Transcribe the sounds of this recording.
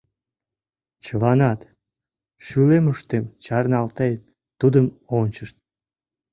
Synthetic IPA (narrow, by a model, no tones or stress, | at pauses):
t͡ɕəlɑnɑt̪ | ʃyleməʃt̪emt͡ɕɑrnɑlt̪et̪ | t̪ːud̪əmonʲəʃt̪̚